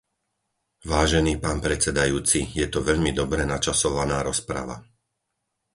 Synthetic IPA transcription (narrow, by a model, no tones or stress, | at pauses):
ʋaːʒɛniːpaːnpɾɛt͡sɛd̪ajuːt͡sijɛt̪ɔʋɛʎmid̪ɔbɾɛnat͡ʃasɔʋanaːɾɔspɾa̰ʋa̰